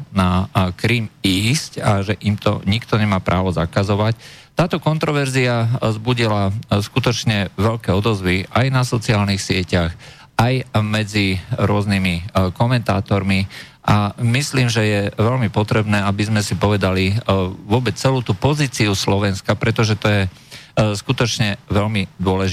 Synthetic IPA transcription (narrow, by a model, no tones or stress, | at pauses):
nakɾiːmiːscaʒɛʔimt̪ɔ̰ɲikt̪ɔɲɛmaːpɾʔa̰ːʋɔza̰kazɔʋact̪aːt̪ɔkɔnt̪ɾɔʋɛɾziazbuɟilaskut̪ɔt͡ʃɲɛʋɛʎkɛːɔd̪ɔzʋiʔajnasɔt͡siaːlnixsɪɛcax | ajmɛd͡ziɾʊɔznimikɔmɛnt̪aːt̪ɔɾmi | ʔamisliːmʒɛjɛʋɛlmipɔt̪ɾɛbnɛːabizmɛsipɔʋɛd̪aliʋʊɔbɛt͡sɛluːt̪uːpɔziːt͡siuslɔʋɛnskapɾɛt̪ɔʒɛt̪ɔjɛ | skut̪ɔt͡ʃɲɛʋɛʎmid̪ʊɔlɛʒ